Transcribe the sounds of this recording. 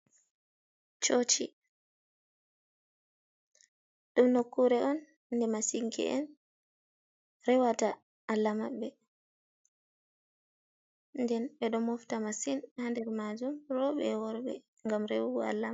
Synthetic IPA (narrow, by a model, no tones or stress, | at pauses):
t͡ʃot͡ʃi | ɗumnokːuɾɛʔɔnː | dɛmasiŋkʰɛ̰ʔɛ̰n | rɛwata | alːamaɓːɛ | ndɛnɓɛɗɔmɔftamasinhandɛɾmad͡ʒumrɔɓɛ̰wɔɾbɛ̰ | ŋɡamɾɛwuɡua̰lːa